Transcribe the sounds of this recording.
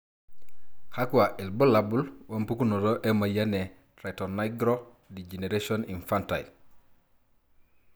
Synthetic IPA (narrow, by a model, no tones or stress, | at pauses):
xakuwaʔilbolabulwampukunodoʔemajane | ɾaitonːajɡɾo | did͡ʒeneɾesoninfantai